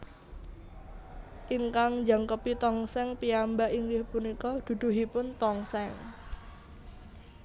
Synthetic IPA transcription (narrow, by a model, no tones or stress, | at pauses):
ʔiŋkaŋnd͡ʒaŋkəpit̪ɔŋsɛŋpiambaʔiŋɡɪhpunikɔd̪̥ṳd̪̥ṳɦipʊnt̪ɔŋsɛŋ